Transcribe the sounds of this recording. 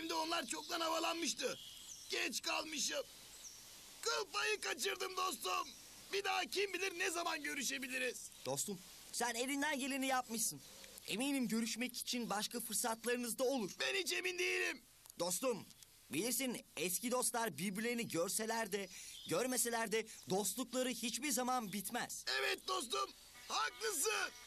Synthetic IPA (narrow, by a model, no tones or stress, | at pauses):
imd̪ɛo̞nlˠaɾt͡ʃʰo̞k̚d̪anavalˠanmɯʃt̪ɯ | ɟ̥ɛt͡ʃkalˠmɯʃɯm | kʰɯlˠpajɯkat͡ʃɯɾd̪ɯmd̪o̞st̪um | bid̪aːcʰimbilʲiɾnɛzamanɟø̞ɾyʃe̞bilʲiɾiz̥d̪̥o̞st̪um | sæne̞vind̪ænɟe̞lʲenijap̚mɯʃsɯn | e̞̰minimɟø̞ɾyʃmɛci̥t͡ʃʰinbaʃkafɯɾsat̪lˠaɾɯnɯzd̪ao̞lˠuɾ̥bɛnhit͡ʃe̞mind̪ejelʲim | d̪̥o̞st̪um | bilʲiɾsinɛscid̪o̞st̪lˠaɾbiɾbylʲeniɟœɾse̞lʲæɾd̪ɛɟøɾme̞se̞lʲæɾd̪ɛd̪o̞st̪lˠuklˠaɾɯhit͡ʃbiɾzamanbit̪mæz̥ɛvɛt̪̚d̪o̞s̬t̪um | haklˠɯs̬ɯ